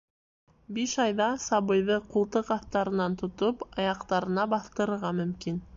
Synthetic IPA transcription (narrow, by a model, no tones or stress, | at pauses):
biʃɑjðɑsɑβɤ̆jðɤqulˠt̪ɤqɑθt̪ɑɾɤ̆nɑnt̪ŏt̪opɑjɑqt̪ɑɾɤ̆nɑbɑθt̪ɤ̆ɾɤ̆ɾʁɑmɵ̆mkin